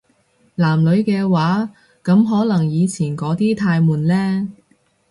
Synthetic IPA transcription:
laː˨˩mlɵ˨˧ɥkɛː˧waː˨˥ | kɐ˨˧˥mɦɔː˨˥lɐ˨˩ŋjiː˨˧t͡sʰiː˨˩nkɔː˨˥t̪iː˥t̪ʰaː˧jmuː˨nlɛː˥

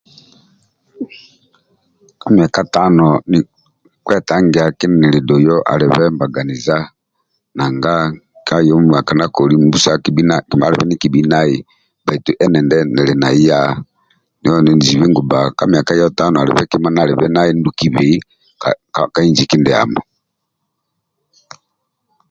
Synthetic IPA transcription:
ka˦mi˨a˨ka˦ta˦nɔ˨ni˨ | kwɛ˦˨ta˨˦ŋɡɛ˨a˨ki˦nɛ˨ni˨ɾi˨dɔ˨jɔ˦ʔa̰˨ɾɛ˨βɛ˦mba˨ɡa˨ni˨za˦ | na˨ŋɡa˦ | ka˦jɔ˦˨a˨ka˨na˦kɔ˨ɾi˦m˦bu˦sa˦ki˨bi˦na˦ki˨ma̰˦ɾɛ˨βɛ˦ni˦ki˨bi˨˦na˦i˨ | ba˨i˨tu˨ʔɛ˦nɛ˨ndɛ˦nɛ˨lɛ˨na˨i˦ja˦ | ni˨˦ɔ˦nɛ˨ni˨zi˨βi˦ŋɡu˨ba˨ka˦mi˨a˨ka˦jɔ˦ta˦nɔ˨a˨lɛ̰˨βɛ˦ki˦ma˦na˨ɾɛ˨βɛ˦na˦i˦n˦du˨ki˨βi˨i˦ | kka˦i˦nd͡ʒi˨ki˦ndɛ˨a̰˨mɔ˨

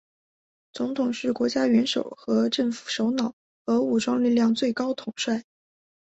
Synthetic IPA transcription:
t͡sʊ˧˥ŋt̪ʰʊ˨˩ŋʂɻ̩˥˩kwɔ˧˥t͡ɕja˥ɥɛ˧˥nʂo̰˨˩ʊxɤ˧˥ʈ͡ʂə˥˩ŋfu̥˨˩ʂo˧˥ʊnɑ˨˩˦ʊ | xɤ˧˥u˨˩ʈ͡ʂwɑ˥ŋli˥˧ljɑ˥˧ŋt͡swe˥˩ɪkɑ˥ʊt̪ʰʊ˨˩ŋʂwa˥˩ɪ

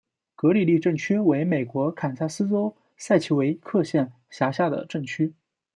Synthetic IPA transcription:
kɤ˧˥li˨˩li˥˧ʈ͡ʂɤ˥˩ŋt͡ɕʰy˥we˧˥ɪme˨˩ɪkwɔ˧˥kʰa˨˩nsa˥˩sɹ̩˥t͡so˥ʊ | sa˥˩ɪt͡ɕʰi˧˥we˧˥ɪ˥kʰɤ˥˧ɕjɛ˥˩n | ɕja˧˥ɕja˥˩d̪ə̰˩ʈ͡ʂɤ˥˩ŋt͡ɕʰy˥

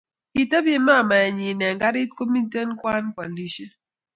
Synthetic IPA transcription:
ki˨te˦bje˦ma˦˨ma˨ɛ˨ɲi˨nɛ˨ŋɡa˦ɾi˦ko˦mi˦te˦n˦kwa˦nkwa˨nli˦ʃi˦

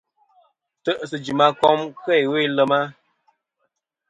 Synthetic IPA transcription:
tə˦ʔsɨ˨d͡ʒi˨ma˦kɔ˦mkɛ˦˨jwe˦˨˦lə˦ma˦

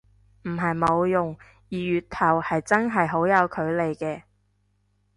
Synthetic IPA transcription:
m̩˨˩ɦɐ˨jmo˨˧wjʊ˨ŋ | jiː˨˩jyː˨t̚t̪ʰɐ˨˩whɐ˨jt͡sɐ˥ŋɦɐ˨jɦo˨˥wjɐ˨˧wkʰɵ˨˧ɥle˨jkɛː˧

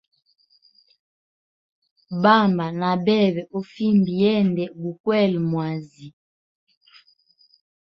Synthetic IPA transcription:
ba˦˨mba˨na˨bɛ˦˨bɛ˨ʔo˦fi˦mbi˨jɛ˦ndɛ˨bu˨kwɛ˦˨lmwa˨zi˨

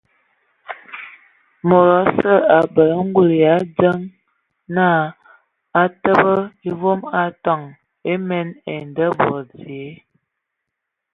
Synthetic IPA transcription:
mo˨ɾɔ˨˦sə˦a˨bə˨lə˦ŋ̩˦ɡu˦˨lja˨˦d͡zə˦ŋ | na˦˨ | a˦tə˦bə˦i˦vo˦ma˦tɔ˦˨ŋ | e˦mɛ˦ne˨ndə˦bɔ˨ɾd͡zi˨e˨˦

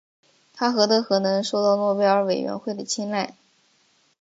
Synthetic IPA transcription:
t̪ʰa˥xɤ˧˥t̪ɤ˧˥xɤ˧˥nɤ˧˥ŋʂo˥˧ʊt̪ɑ˥˧ʊmwɔ˥˧pjɑ˥ʊə˧˥we˨˩ɥɛ̰˧˥nxwe˥˩ɪd̪ə˩t͡ɕʰi˥nla˥˩ɪ

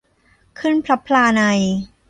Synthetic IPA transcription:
kʰɯ˥˩npʰɾa˦˥pʰːlaː˧na˧j

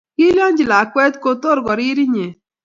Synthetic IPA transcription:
ki˦ljɔ˦nd͡ʒɪ˨la˨kwɛ˦tko˦to˦ɾɡɔ˨ɾɪ˦ɾi˦ɲe˨

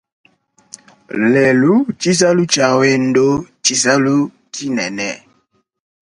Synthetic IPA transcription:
lɛ˨lu˦t͡ʃi˦s̬a˦lu˦t͡ʃa˨we˦n̩˦do˦t͡ʃi˦s̬a˦lu˦ | tʰi˦nɛ˨nɛ˨

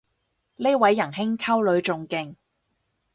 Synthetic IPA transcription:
le˥wɐ˨˥jːɐ˨˩nɦɪ˥ŋkʰɐ˥wlɵ˨˧ɥt͡sʊ˨˧ŋkɪ˨˧ŋ

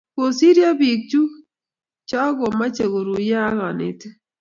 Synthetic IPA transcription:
ko˨si˦ɾja˦βi˨k̚t͡ʃu˦ | t͡ʃa˦ɣo˨ma˦t͡ʃe˨ɣo˨ɾu˨ja˦a˦ɣa˨nḛ˨te˦

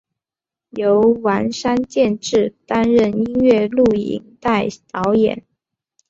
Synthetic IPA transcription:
jo˧˥ʊwa˧˥nʂa˥nt͡ɕjɛ˥˧nʈ͡ʂɻ̩˥˩t̪a˥nɻə˥˩ni˥nɥɛ˥˧lu˥˩ḭ˨˥ŋt̪a˥˩ɪt̪ɑ˧˥ʊjɛ̰˨˩˦n

